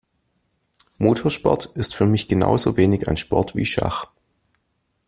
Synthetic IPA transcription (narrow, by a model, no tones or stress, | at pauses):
moːtʰoːɐʃpɔ̰ɐtɪstfyːɐmɪçɡ̥əna̰ʊzoːveːnɪçaɪnʃpɔɐtv̥ḭːʃa̰χ